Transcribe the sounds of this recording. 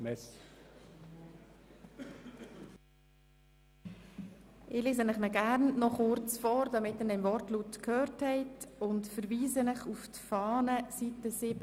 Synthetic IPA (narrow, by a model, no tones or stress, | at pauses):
mɛs | ʔɪliːszənɪχnəɡæɾnnɔχʊɾt͡sfɔːɾdɑmɪtəndɛmvɔɾtlutkʰhøːɾthɛɪtʊntfəɾviːzənɪχuftfɑːnəsitəsɪb